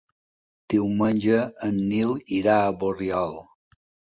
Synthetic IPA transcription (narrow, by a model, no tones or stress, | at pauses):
d̪̥iwmənʲʒəːnːiliɾaəβorjɔlˠ